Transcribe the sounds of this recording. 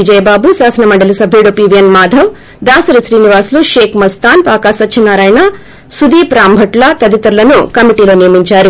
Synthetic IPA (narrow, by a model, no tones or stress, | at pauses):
id͡ʒɐjɐbaːbusaːsɐnɐmɐɳɖɐlusɐbʱeɽopiʋijɐnmaːd̪ʱɐʋ | d̪aːsɐɾisɾiːniʋaːsluʃeːkmɐst̪aːnpaːkaːsɐtːt͡ʃʰinaːɾaːjna | sud̪iːpɾaːmbʱɐʈlɐt̪ɐd̪it̪ɐɾlɐnukɐmiʈiːlo̞ːnijɐmiɲt͡ʃaːɾu